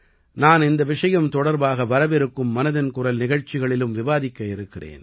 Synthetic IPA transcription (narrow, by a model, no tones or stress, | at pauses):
naːnɪnd̪ɐʋɪʂɐjɐmt̪ɔɽɐɾbaːɣɐʋɐɾɐʋɪɾɯkːɯmːɐnɐðɐnkʊɾɐlnɪɣɐɻt͡ʃːɪɣɐɭɪlɯmʋɪʋaːðɪkːɐɪɾɯkːɪrḛːn